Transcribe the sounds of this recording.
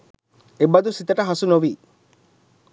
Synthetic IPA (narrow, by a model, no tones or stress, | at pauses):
ebɐd̪usit̪əʈəɦɐsunoʋiː